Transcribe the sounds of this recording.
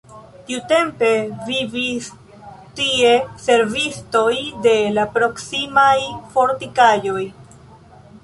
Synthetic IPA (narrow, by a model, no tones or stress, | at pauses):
tiute̞mpe̞vivis | tie̞se̞ɾvisto̞jde̞lapɾo̞ksimajfo̞ɾtikajo̞j